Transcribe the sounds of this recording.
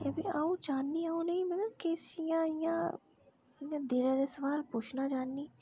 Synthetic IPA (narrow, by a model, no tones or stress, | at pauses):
əbiaːũːt͡ʃaːndiaːũnəĩmət̪ləb̚keːsjãijãː | ijãːd̪eːɾẽd̪eːsəʋaːlpʊt͡ʃʰnaːt͡ʃaːnːiː